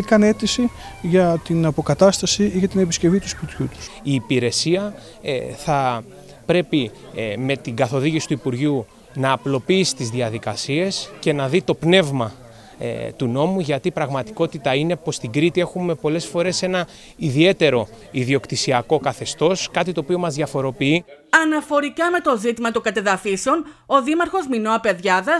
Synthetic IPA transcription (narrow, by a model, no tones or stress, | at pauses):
ikɐne̞t̪isiʝɐt̪inɐpo̞kɐt̪ɐst̪ɐsiiʝɐt̪ine̞pisce̞vit̪uspit̪çut̪u̥siːpiɾe̞siɐ | θɐ | pɾe̞pi | me̞t̪iɡɐθo̞ðiʝisi̥t̪uipuɾʝu | nɐːplo̞piisi̥t̪izðiɐðikɐsie̞sce̞nɐðit̪o̞pne̞vmɐ | t̪uno̞muʝɐt̪ipɾɐɣmɐt̪i̥ko̞t̪it̪ɐine̞po̞st̪iɡɾit̪ie̞xume̞po̞le̞sfo̞ɾe̞se̞nɐ | iðie̞t̪e̞ɾo̞ | iðio̞kt̪isiɐko̞kɐθe̞st̪o̞skɐt̪it̪oːpio̞mɐzðʝɐfo̞ɾo̞piiɐnɐfo̞ɾikɐme̞t̪o̞zit̪imɐt̪oɡɐt̪eðɐfiseo̞noðimɐɾxo̞zmino̞ɐpe̞ðʝɐðɐs